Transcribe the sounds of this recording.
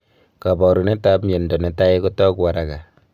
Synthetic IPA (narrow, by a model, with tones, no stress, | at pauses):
ka˨bɔ˨ɾu˨ne˦ta˦pmje˨ndɔ˨ne˨˦ta˦e˦ko˦tɔ˦kwa˨ɾa˨ka˨